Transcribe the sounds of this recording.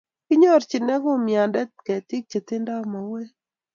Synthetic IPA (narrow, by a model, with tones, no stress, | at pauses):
kɪ˦ɲɔ˦ɾt͡ʃɪ˨nɛ˦ɡo˦mja˨ndɛ˦tkɛ˨tɪ˦k̚t͡ʃe˨t̪ɪ˦nda˦ma˨we˦